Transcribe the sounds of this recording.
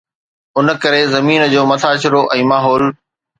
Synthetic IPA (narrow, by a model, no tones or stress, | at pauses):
ʊnə̆kɐɾezɐmiːnə̆d͡ʑoːmɐt̪ʰaːɕɪɾoʔɛ̃ːmaːɦɔːl